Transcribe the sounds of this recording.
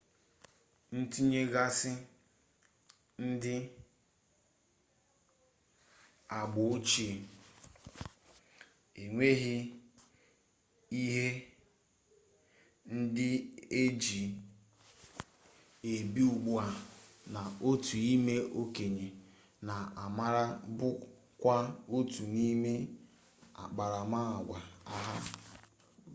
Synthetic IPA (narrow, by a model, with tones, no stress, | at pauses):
n̩˦ti˦ɲe˦ɣa˦sɪ˦ | n̩˦dɪ˦ | a˨ɡ͡bʊ˨˦t͡ʃi˦˨ | e˨ŋʷe˦ɦɪ˦ | i˦ɦe˦ | n̩˦dɪ˦e˦d͡ʒi˨ | e˨bi˦u˨ɡ͡bʊ˦a˨ | na˨o˦tu˨i˦me˦o˦ke˨ɲe˨ | na˨a˨ma˦ɾa˦bʊ˦ | kʷa˦o˦tu˨ni˦me˦ | a̰˨k͡pa˨ɾa˨ma˦a˨ɡʷa˨a˦ɦa˦